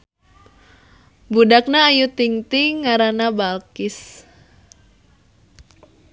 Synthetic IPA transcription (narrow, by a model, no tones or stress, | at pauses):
budak̚naːjut̪iŋt̪iŋːaɾanabalkis